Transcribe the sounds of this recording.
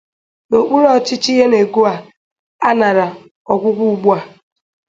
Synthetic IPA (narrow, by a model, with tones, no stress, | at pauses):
no˨k͡pu˦ɾɔ˦˨t͡ʃɪ˦t͡ʃi˦ɦe˦ne˨ɡu˦a˨ | a˦na˨ɾa˨ | ɔ˨kʷʊ˦ɡʷu˦ɡ͡bu˦a˨